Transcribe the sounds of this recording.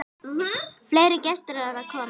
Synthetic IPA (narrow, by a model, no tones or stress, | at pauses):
fleːjɾɪcɛst̪ɪɾaɛvakʰɔːm